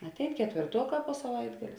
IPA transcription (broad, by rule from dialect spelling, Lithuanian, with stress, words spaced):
ɐtʲˈɛɪn kʲɛtʲʋʲeːrˈtuɔˌkɑː poː sɐˈʋɐɪdɡɐlʲeː